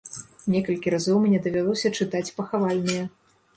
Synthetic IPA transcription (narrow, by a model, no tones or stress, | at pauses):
nʲɛkɐlʲkʲiɾazɔwmʲnʲɛd̪ɐvʲalˠɔsʲɐt͡ʂɨt̪at͡sʲpɐxavalʲnɐjɐ